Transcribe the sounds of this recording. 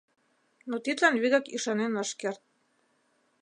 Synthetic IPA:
not̪it̪lɑnβiɣɑkiʃɑnenɤʃkert̪̚

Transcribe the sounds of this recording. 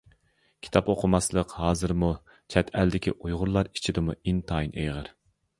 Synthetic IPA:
kʲʰi̥t̪ʰɑpoqʰʊmɑslˠəqhɑːzɨɾmu | t͡ʃʰɛt̪ʰɛld̪ɪkʲḭʔujʁʊɾlˠɑɾi̥t͡ʃʰid̪ɪmuint̪ʰɑinʔejʁəɾ

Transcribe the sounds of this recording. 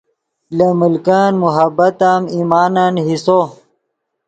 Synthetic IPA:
lɐmulkaːnmuɦɐbɐt̪amimaːnanɦiso

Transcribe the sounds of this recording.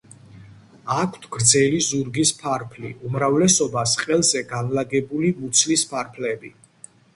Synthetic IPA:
akʰt̪ʰɡ̥ɾd̪zɛlizuɾɡispʰaɾpʰlḭumɾavlɛsɔbasqʼɛlˠzɛɡanlaɡɛbulimut̪sʰlispʰaɾpʰlɛbi

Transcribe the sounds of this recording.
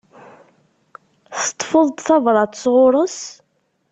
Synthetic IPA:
θə̥t̪ˤːfəðˤt̪θɑvɾˤɑt̪sʁʊɾˤəs

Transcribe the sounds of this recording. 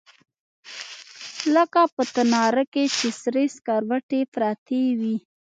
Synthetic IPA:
ləkapət̪anɑɾaket͡ʃesɾeskaɾwaʈepɾɑt̪ewi

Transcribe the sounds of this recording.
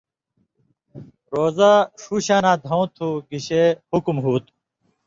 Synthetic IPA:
ɾoːzaʂuːɕãːnãːd̪ʱɐw̃t̪ʰuːɡiɕehukmɦuːt̪

